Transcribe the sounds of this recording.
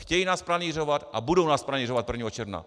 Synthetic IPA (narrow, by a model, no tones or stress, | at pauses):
xcɛjiːnaːspɾaniːrovat̪ʔabudownaːspɾaniːrovat̪̚pr̩vɲiːɦot͡ʃɛɾvna̰